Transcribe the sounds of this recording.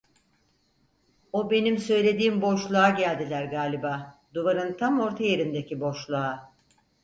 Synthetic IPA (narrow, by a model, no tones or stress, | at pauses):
o̞be̞nimsø̞jlʲe̞d̪iːmbo̞ʃlˠaaɟælʲd̪ilʲæɾɡaːlʲibaːd̪uvaɾɯnt̪ʰamo̞ɾt̪ʰaje̞ɾind̪e̞cibo̞ʃlˠua